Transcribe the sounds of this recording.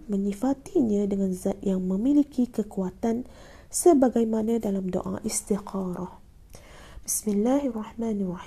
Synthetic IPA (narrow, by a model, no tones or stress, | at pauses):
mə̃ɲifat̪iɲãdəŋãnzat̪̚jaŋmə̃milikikəkuat̪an | səbaɡajmanãdalamdo̰ʔa̰ʔist̪iqɑɾah | bismilːaɦarˤːɑħmãːnarɑ